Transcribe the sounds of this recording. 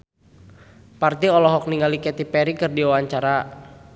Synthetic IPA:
part̪iɔlɔɦɔk̚niŋalikɛt̪ipɛɾikɨrdiwawaɲt͡ʃaɾa

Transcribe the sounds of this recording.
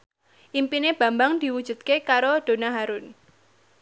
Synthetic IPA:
ʔimpineb̥ä̤mbaŋd̪̥i̤wud̥ʒ̥ṳt̪̚kekaɾod̪̥o̤naɦaɾʊn

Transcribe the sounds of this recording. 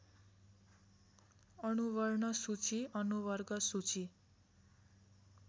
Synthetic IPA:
ʌnuβʌrɳʌsut͡siʔʌnuβʌrɡʌsut͡si

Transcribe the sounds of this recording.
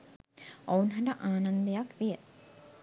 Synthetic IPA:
ounɦɐʈɐʔaːnɐnd̪ɐjakʋijə

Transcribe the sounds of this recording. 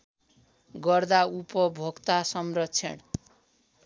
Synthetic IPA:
ɡʌrd̪aupʌbʱoɡt̪asʌmrʌtt͡sʰḛɽ

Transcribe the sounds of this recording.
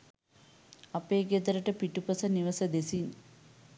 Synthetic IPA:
ɐpeːɡed̪ɐɾəʈəpiʈupɐsɐniʋɐsɐd̪esin

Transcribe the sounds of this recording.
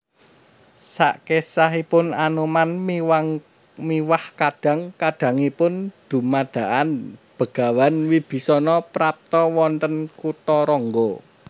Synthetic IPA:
sa̰ʔkesaɦipʊnanumanw | miwahkad̥a̤ŋkaɖ̥ä̤ŋipʊnd̪̥ṳmad̪̥a̤ʔanb̥ə̤ɡ̥a̤wanwib̥i̤sɔnɔpɾap̚t̪ɔwɔnt̪ənkut̪ɔɾɔŋɡɔ

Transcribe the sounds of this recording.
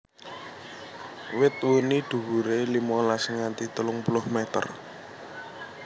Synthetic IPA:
wɪt̪wunid̪̥ṳwuɾelimɔlasəŋant̪it̪əlʊŋpulʊhmɛt̪ə̰r

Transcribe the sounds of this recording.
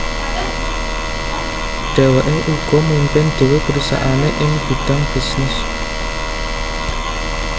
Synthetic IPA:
ɖ̥e̤weʔeʔuɡ̥ɔ̤mumpɪnɖ̥e̤wepəɾusa̰ʔaneʔɪŋb̥i̤ɖ̥aŋb̥i̤snɪs

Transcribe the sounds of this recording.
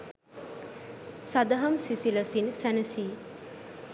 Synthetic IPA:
sad̪ɐɦɐmsisiləsinsænəsiː

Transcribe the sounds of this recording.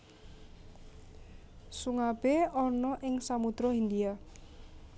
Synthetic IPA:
suŋab̥eɔnɔʔɪŋsamut̪ɾɔind̪ia

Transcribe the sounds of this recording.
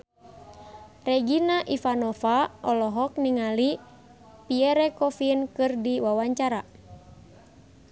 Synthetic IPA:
rɛɡinaʔifanɔfaʔɔlɔɦɔk̚niŋali | piɛɾɛkɔfinkɨrdiwawaɲt͡ʃaɾa

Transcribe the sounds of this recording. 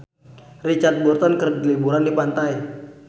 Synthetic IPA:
rit͡ʃart̪̚bɔrt̪ɔnkərdlibuɾandipant̪ai

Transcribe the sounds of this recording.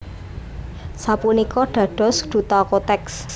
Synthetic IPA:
sapunikɔɖ̪̥ä̤ɖ̥ɔ̤sɖ̪̥ṳt̪ɔkot̪ɛks

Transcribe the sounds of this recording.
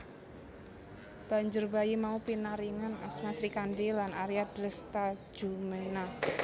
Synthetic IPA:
b̥a̤ɲd͡ʒʊrbajimaupinaɾiŋana̰smasɾikanɖilanaɾiad̪̥ɾəst̪ḁd͡ʒ̥umena

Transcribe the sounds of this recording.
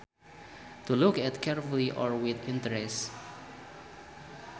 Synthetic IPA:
tulukɛtkʰɛɹfuliʔɔɹwɪθɪ̃ntəɹɛs

